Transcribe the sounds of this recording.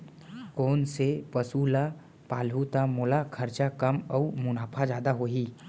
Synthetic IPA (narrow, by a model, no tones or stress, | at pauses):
kɔːnsepəsuːla | paːlɦut̪amʊlakʰəɾt͡ʃakɐmɔmʊnaːpʰad͡ʒaːd̪aɦoːɦiː